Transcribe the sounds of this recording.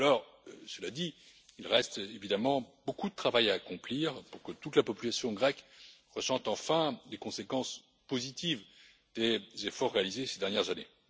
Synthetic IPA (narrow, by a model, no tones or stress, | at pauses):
alɔʁ | səlad̪i | ilʁɛst̪evid̪amɑ̃bokud̪ət̪χavajaːkɔ̃pliʁpuʁkət̪ut̪lapɔpylasjɔ̃ɡʁɛkʁəsɑ̃t̪ɑ̃fɛ̃lekɔ̃sekɑ̃s | pozit̪iv | d̪ezefɔʁːealizesed̪ɛʁnjɛʁzane